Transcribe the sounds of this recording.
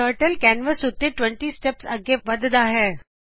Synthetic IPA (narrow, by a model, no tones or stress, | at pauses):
əɾʈəlkɛnʋəsʊt̪ːeʈʋə̃ɳʈisʈɛpsɐɡebɐd̪əd̪aːɦeː